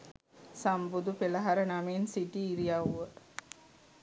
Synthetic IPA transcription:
sambud̪upeləɦaɾənamensiʈiːɾijaʋə

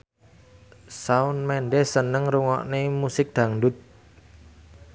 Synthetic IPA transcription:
saʊnmɛnɖɛsənəŋɾuŋɔ̰ʔnemusɪk̚d̪̥a̤ŋɖʊt̪̚

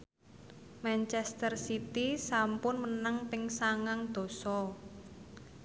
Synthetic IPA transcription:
mant͡ʃɛst̪ərsit̪isampʊnmənaŋpɪŋsaŋaŋd̪̥o̤sɔ

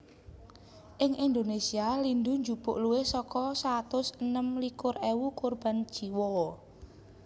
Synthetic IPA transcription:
ʔɪŋʔind̪onesialind̪uɲd͡ʒub̥ʊ̰ʔluwesɔkɔsat̪ʊsənəmlikʊrewukurb̥and̥ʒ̥iwɔ

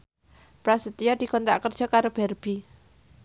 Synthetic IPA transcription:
pɾasit̪ijɔd̪̥i̤kɔnt̪aʔkərd̥ʒ̥ɔ̤kaɾob̥ɛrb̥i

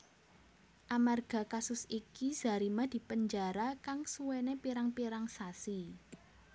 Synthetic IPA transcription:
ʔamarɡ̥a̤kasʊsikiz̥a̤ɾimad̪̥i̤pəɲd͡ʒaɾakaŋsuwenepiɾaŋpiɾaŋsasi

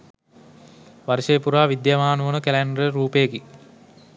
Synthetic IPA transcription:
ʋaɾʃeːpuɾaːʋid̪jamaːnuʋənəkelænɾəɾuːpejeki

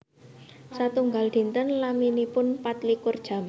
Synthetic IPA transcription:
sat̪uŋɡald̪̥i̤nt̪ənlaminipʊnpat̪likʊrd̥ʒ̥a̤m

